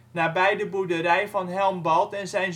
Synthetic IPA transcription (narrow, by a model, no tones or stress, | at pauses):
naːbɛjdəbudəɾɛjvɑnɦɛlˠmbɑlˠtɛnzɛjn